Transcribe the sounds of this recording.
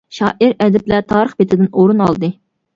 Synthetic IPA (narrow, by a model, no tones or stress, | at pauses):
ʃɑːʔiɾɛd̪ɪplɛt̪ʰɑːɾəχbet̪ʰɪd̪ɪnoɾunɑlˠd̪ɨ